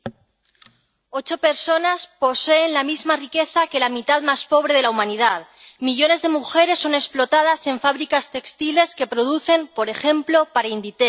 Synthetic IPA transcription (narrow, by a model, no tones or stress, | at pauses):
o̞t͡ʃo̞pe̞ɾso̞naspo̞se̞ːnlamizmarike̞θake̞lamit̪aðmaspo̞β̞ɾe̞ð̞elaumãniðað | miʎo̞ne̞zðemuxe̞ɾe̞sːo̞ne̞splo̞t̪að̞ase̞ɱfaβɾikast̪e̞kst̪ile̞ske̞pɾo̞ðuθe̞mpo̞ɾe̞xe̞mplo̞paɾaind̪it̪e